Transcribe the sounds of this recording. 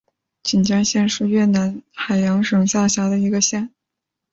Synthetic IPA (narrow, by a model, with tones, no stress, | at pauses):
t͡ɕi˨˩nt͡ɕɑ˥ŋɕjɛ˥˧nʂɻ̩˥˧ɥɛ˥˩na˧˥nxa˨˩ɪjɑ˧˥ŋʂɤ˨˩ŋɕjɑ˥˩ʊɕjɑ˧˥d̪ə˧i˧˥ɡə˧ɕjɛ˥˩n